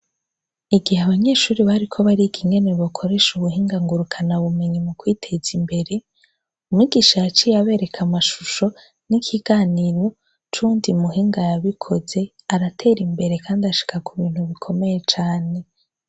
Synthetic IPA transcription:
iɡihaβaɲe̞ːʃuːɾiβaɾikʰo̞βaɾikʰiŋɡe̞ne̞βokʰo̞ɾe̞ʃuβuɦiːŋɡaŋɡuɾukʰanaβume̞ɲimukwiːtʰe̞zimbe̞ɾe̞ | umŋiɡiʃajat͡ʃijaβe̞ːɾe̞kʰamaʃuʃo̞ | nikʰiɡaːniɾo̞ | t͡ʃuːndimuɦiːŋɡajaβikʰo̞ze̞ | aɾatʰe̞ːɾimbe̞ɾekʰaːndiaʃi̥kakuβiːn̥huβikʰo̞me̞je̞t͡ʃaːne̞

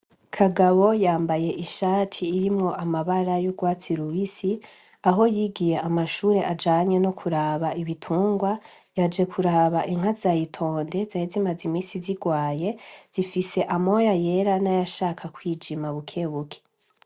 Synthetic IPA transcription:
kʰaɡaβo̞jaːmbaje̞ʔiʃaːtʰiːɾimŋo̞ʔamaβaɾajuɡwaːt͡siɾuβisi | aɦo̞jiːɡije̞ʔamaʃuːɾe̞ʔad͡ʒaːɲe̞nokʰuɾaβaiβitʰuːŋɡwa | jad͡ʒe̞kʰuɾaβaʔiŋ̥hazajitʰo̞ːnde̞zahezimazimiːsiziɡwaːje̞z̥ifise̞ʔamo̞jaje̞ɾanajaʃaːkʰakwiːd͡ʒimaβukʰe̞βukʰe̥

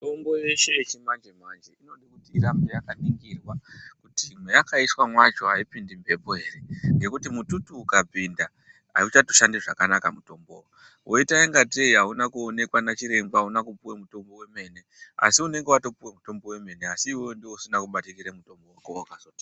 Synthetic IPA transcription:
tombo̞jeʃe̞t͡ʃimand͡ʒemand͡ʒeino̞ɗikutiːrambejakaniŋɡirwakutimwejakaiswamwat͡ʃo̞ɦaipindimpe̞po̞e̞ːre̞ŋɡe̞kutimututukab͡vinda | a̰ut͡ʃatoʃandiʐakanakamuto̞mbo̰wo | wʔo̞itaeŋɡateiɦaunakuone̞kwanat͡ʃiɾe̞mɡwaunakupuwemuto̞mbo̞we̞me̞ne̞ | a̰siune̞ŋɡewato̞puwemuto̞mbo̞we̞me̞ne̞asiːwo̞ndiwosinakuɓatikiɾemuto̞mbo̞wakoakazoti̥a

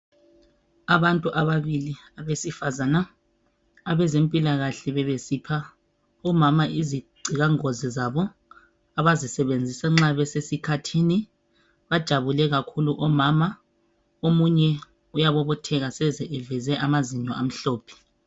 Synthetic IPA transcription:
aβantʼuʔaβaβiliaβesifazanaː | βɛzempʼilaɣaɬɛβɛβesiːpʰa | ɔmamaʔiziɡ͡ǀʱiɣaŋɔzɛzaβɔ | aβazisɛβend͡zʱisaŋ͡ǁaβɛsesikʰatʰini | βad̥ʒ̥ʱaβulɛɣakʰuluʔɔmama | omuɲɛ | ujaβɔβɔtʰɛɣasɛzɛʔɛvɛzɛʔamaziɲɔam̩ɬɔːpʰɛ̥

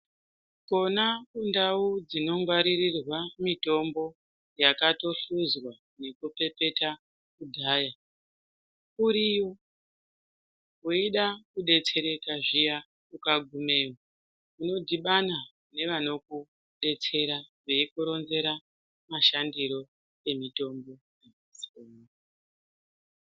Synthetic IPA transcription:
ko̞nakundaud͡zino̞ŋɡwaɾirirwamito̞mbo̞ | jakato̞ɬuzwa | ne̞kupe̞pe̞ta | kudʱaːja | kuɾijo | kuiɗakuɗe̞t͡se̞ɾe̞kaʐija | kukaɡʱume̞ːwa | uno̞dʱiɓana | ne̞ʋano̞ku | ɗe̞t͡se̞ɾaʐeikuɾo̞nze̞ɾa | maʃandiɾo̞ | e̞mito̞mbo̞ | jamasi̥o

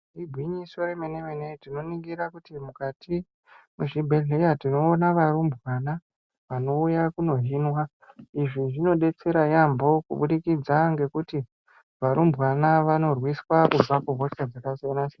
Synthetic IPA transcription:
ribʱwiɲiso̞ɾemenemenetino̞niŋɡiɾakutimukatʰi | muʐibʱeɮejatino̞ːnaʋaɾumbʱwana | ʋano̞ujakuno̞ɦiːnwa | iʐiʐino̞ɗe̞t͡se̞ɾajambo̞kṵɓuɗikid͡zaŋɡe̞kuti | ʋaɾumbʱwanaʋano̞rwiswakub͡vakuɦoskad͡zakazeanase

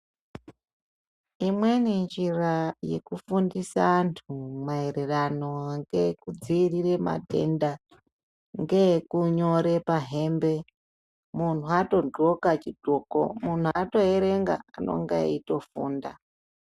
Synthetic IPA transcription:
imwe̞nend͡ʒiraje̞̰kufundisaːntʰumae̞re̞rano̞ŋɡe̞kud͡ziːrirema̰te̞̰nda | ŋɡe̞kuɲoɾe̞paɦe̞ːmbe̞ | mun̤uato̞ɡokat͡ʃidoko̰mun̤uato̞eɾeŋɡa̰ano̞̰ŋɡa̰ito̞fuːnda

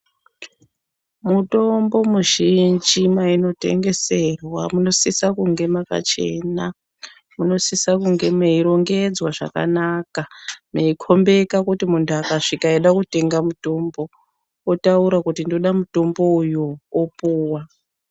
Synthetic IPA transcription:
muto̞mbo̞muʒind͡ʒimaino̞te̞̰ŋɡe̞se̞rwamuno̞sisakuŋɡe̞maka̰t͡ʃe̞̰ːna | muno̞sisakuŋɡe̞meiɾo̞ŋɡe̞d͡zwaʐa̰ka̰nakameikʰo̞mbe̞kakutimuntʰuakaʂikaiɗakute̞ŋɡamuto̞mbo̞ | otauɾakutindo̞ɗamuto̞mbo̞ujuopuːwa

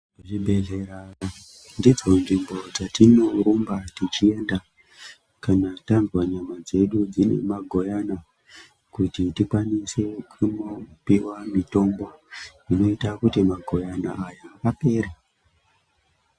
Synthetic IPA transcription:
ʐibʱeɮeɾaa | ndid͡zo̞nʐimbo̞d͡zatino̞rumbatit͡ʃie̞nda | kanatanzwaɲamad͡ze̞ɗud͡zine̞̰maɡʱo̞jana | kutitikwanise̞kʰunopiwamito̞mbo̞ino̞itakutimaɡʱo̞janaːjakape̞ɾa

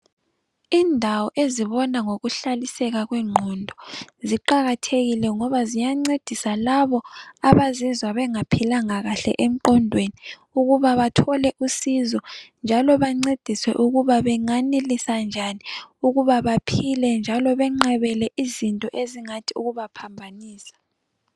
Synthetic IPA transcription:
indʱawɔʔeziβɔnaŋoɣuɬalisɛɣaɣwɛŋ͡ǃʱɔndʱɔziǃaɣatʰeɣilɛŋɔβazijaŋ͡ǀed̥ʱisalaβɔaβazizwaβɛŋapʰilaŋaɣaɬɛ̰ʔem̩ǃɔndʱweni | uɣuβaβatʰɔlɛʔusizɔnd͡ʒʱalɔβaŋ͡ǀed̥ʱiswɛ̰ʔuɣuβaβɛŋanelisand͡ʒʱaniuɣuβaβapʰilɛnd͡ʒʱalɔβɛŋ͡ǃɛβɛlɛʔizintʼɔʔeziŋatʰiuɣuβapʰambʱaniːsḁ

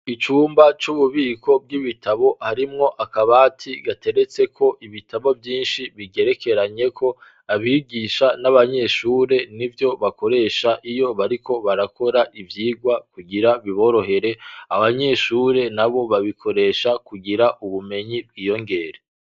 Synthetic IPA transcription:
it͡ʃuːmbat͡ʃuβuβiːkʰo̞b̚ɡiβitaβo̞haɾimŋo̞ʔakaβaːtʰiɡatʰe̞ɾe̞t͡se̞kʰo̞ʔiβitʰaβo̞vjiːnʃiβiɡe̞ɾeke̞ɾaɲe̞kʰo̞ | aβiɡiːʃanaβaɲe̞ʃuːɾe̞nivjo̞βako̞ɾe̞ːʃaʔijo̞βaɾiko̞βaɾakʰo̞ɾaʔivjiːɡwakuɡiɾaβiβo̞ɾo̞he̞ɾe̞aβaɲe̞ʃuːɾe̞naβo̞βaβikʰo̞ɾe̞ːʃakuɡiɾaʔuβume̞ɲib̚ɡiːjo̞ŋɡe̞ɾe

